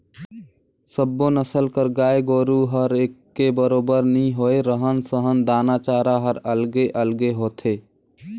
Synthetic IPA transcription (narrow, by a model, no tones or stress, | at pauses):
səbːõnəsəlkəɾɡaːeɡoːɾuɦəɾeːkːebəɾoːbəɾnəĩɦoːeɾəɦənsəɦənd̪aːnaːt͡ʃaːɾaɦəɾəlɡeʔəlɡeɦoːt̪ʰeː